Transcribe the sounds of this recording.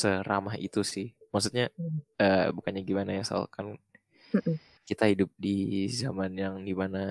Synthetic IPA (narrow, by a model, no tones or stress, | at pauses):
səramaɦḭt̪usɪhmaksut̪̚ɲaəːbukanɲaɡimanajasa̰a̰lkan̩ | kit̪ahidʊp̚dizamanjaŋdimana